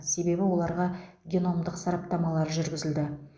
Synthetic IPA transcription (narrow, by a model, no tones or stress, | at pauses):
se̞be̞bɪwo̞lˠɑɾʁɑ | ɡʲeno̞md̪əqsɑɾɑp̚t̪ɑmɑlˠɑɾʒʏɾɡʲɪzɪld̪ɪ